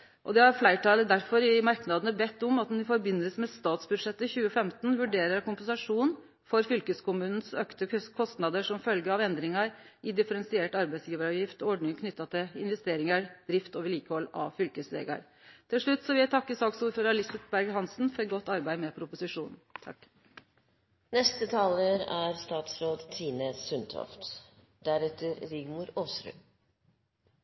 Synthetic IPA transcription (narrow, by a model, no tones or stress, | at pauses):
ʔɔ̰d̪ɛhɑɾflæɪʈʰɑːləd̪æɾfɔɾɪmɑɾknɑd̪ənəbɛt̪ːʊmɑt̪̚d̪ɛnɪfɔɾbɪnːəlsəmɛst̪ɑːt̪sbʉd̪ʂɛt̪ːəçʉːəfɛmt̪n̩ʋʉɖeːɾəɾkʊmpɛnsɑʂuːn | fɔɾfʏlkəskʊmʉːnn̩søːkt̪əkʰɔst̪nɑd̪əʂɔmfœlɡəɾɑʋɛnd̪ɾɪŋɑɾ | ɪd̪ɪfəɾɛnsɪeːʈɑɾbæɪsjiːʋəɾɑʋjɪft̪ɔɔɖɳɪŋkʰnʏt̪ːɑt̪ʰɪlɪnʋɛst̪eːɾɪŋəɾd̪̥ɾɪft̪oːʋəɭiːkəhɔlːɑ̰ʋfʏlkəsʋḛːɡɑ̰ɾ | t̪ʰɪlʂɭʉt̪ːsɔʋɪæt̪ʰɑkːəsɑːksuːɾføːɾɑɭɪsət̪bæɾɡhɑnsn̩fɔɾɛɡɔt̪ːɑɾbæɪmɛpʰɾʊpʊsɪʂuːnn̩t̪ʰɑ̰kː | nɛst̪ət̪ʰɑːləɾæɾst̪ɑːt̪sɾoːd̪t̪ʰiːnəsʉnt̪ʰɔ̰ft̪ | d̪æɾɛt̪əɾɾɪɡmʊɾoːsɾʉ̰ː